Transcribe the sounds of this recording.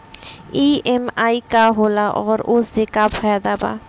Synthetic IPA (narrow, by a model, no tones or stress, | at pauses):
iːemaːikaɦoːlaʔɔːɾʊsːekapʰajd̪aba̰ː